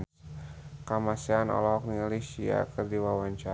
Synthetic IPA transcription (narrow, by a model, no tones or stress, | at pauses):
kamasianɔ̰lɔɦɔk̚nialisia̰kərdiwawaɲt͡ʃa